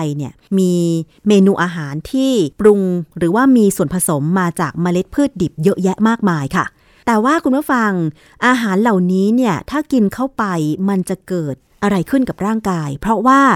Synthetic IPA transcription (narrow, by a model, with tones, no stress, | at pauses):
jni˥˩ɐmiː˧ | meː˧nuː˧ʔaː˧ɦaː˩˦nt̪ʰiː˥˩pɾu˧ŋɾɯː˩˦waː˥˩miː˧su˨˩ənpʰa˧so˩˦mːaː˧t͡ɕaː˨˩k̚maː˧le˦˥t̪̚pʰɯː˥˩t̪̚di˨˩p̚jɤ˦˥ʔjɛ˦˥ʔmaː˥˩k̚maː˧jkʰa̰˥˩ | t̪ɛː˨˩waː˥˩kʰu˧npʰuː˥˩fa˧ŋ | ʔaː˧ɦaː˩˦nla˨˩wniː˦˥ni˥˩ɐt̪ʰaː˥˩ki˧nkʰa˥˩wpa˧jma˧nt͡ɕa˨˩kɤː˨˩t̪̚ʔa˧ɾa˧jkʰɯ˥˩nka˨˩p̚ɾaː˥˩ŋkaː˧jpʰɾɔ˦˥waː˥˩